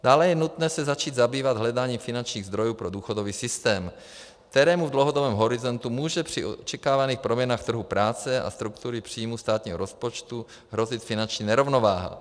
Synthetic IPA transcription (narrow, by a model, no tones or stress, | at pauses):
d̥aːlɛjɛnut̪nɛːsɛzat͡ʃiːd̪zabiːvad̪ɦlɛdaːɲiːmfɪnant͡ʃɲiːɣzd̪ɾo̞juːpɾo̞duːxodoviːsɪst̪ɛːm | k̚t̪ɛɾɛːmuvdlowɦodobɛːmɦo̞ɾɪzo̞nt̪umuːʒɛpr̝̥ɪʔot͡ʃɛkaːvaniːxpɾomjɛnaːxt̪r̩ɦupɾaːt͡sɛʔa̰st̪ɾukt̪uɾɪpr̝̥iːmust̪aːt̪ɲiːɦoɾospot͡ʃt̪u | ɦɾo̞zɪt̪fɪnant͡ʃɲiːnɛɾo̞vno̞vaːɦa̰